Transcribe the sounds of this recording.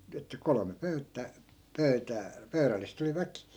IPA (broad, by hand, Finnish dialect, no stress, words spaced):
etːæ kolome pøytːæː pøytæː pøyrælːist oli ʋækiˑ